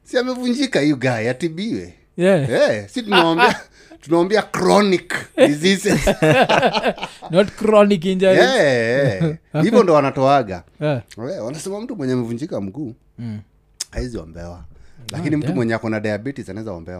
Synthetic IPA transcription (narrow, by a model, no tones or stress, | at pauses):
siamɛvuɲd͡ʒikahijuɡaiatiɓiwɛ | ɛɛsitunawwambia | tunawambiakɾɔnikizisɛ | nɔtkɾɔnik̬ind͡ʒaiɛɛhivvɔndɔanatɔaɡa̰ | wanasɛmam̩tumwɛɲɛamɛvuɲd͡ʒikam̩ɡuː | haiziɔ̰mbɛwalakinim̩tumwɛɲɛakɔnaɗajabɛtizanaɛzaɔ̰mbɛwa